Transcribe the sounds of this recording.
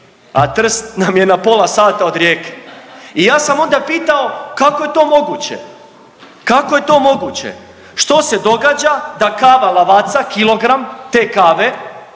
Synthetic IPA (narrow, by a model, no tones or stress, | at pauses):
a̰t̪r̩st̪namje̞napo̞lˠasaːt̪aod̪ɾjeːke̥ijaːsamo̞nd̪apiːt̪ao̞kako̞je̞t̪o̞ːmo̞ɡut͡ɕḛ | kako̞je̞t̪o̞ːmo̞ɡut͡ɕḛ | ʃt̪o̞se̞d̪o̞ɡaːd͡ʑad̪akaːʋalˠaʋat̪sakilo̞ɡɾamt̪e̞ːkaːʋe